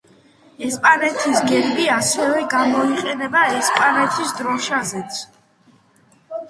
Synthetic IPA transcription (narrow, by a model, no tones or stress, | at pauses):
ɛspʼanɛt̪ʰisɡɛɾbiasɛvɛɡamɔiqʼɛnɛbaɛspʼanɛt̪ʰisd̪ɾɔʃazɛt̪sʰ